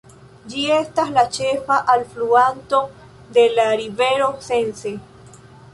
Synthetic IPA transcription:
d͡ʒiest̪aslat͡ʃefaʔalfluant̪o | d̪elaɾiβeɾosense

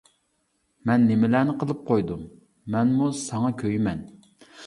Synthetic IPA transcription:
mɛnːɪmɪlæːnɪqʰəlˠɨp̚qʰojd̪um | mɛnmusɑŋɑkʲʰøjmɛn

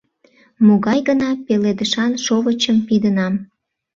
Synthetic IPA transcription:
moɣɑjɣənɑpeled̪əʃɑnʃoβət͡ɕəmpid̪ənɑm

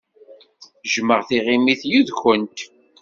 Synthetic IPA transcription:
ʒməʁθiʁimiθjuðçənt̪

